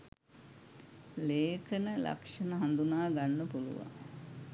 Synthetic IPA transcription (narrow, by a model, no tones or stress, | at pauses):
leːkʰənəla̰kʂənəɦand̪unaːɡanːəpulṵʋa̰ŋ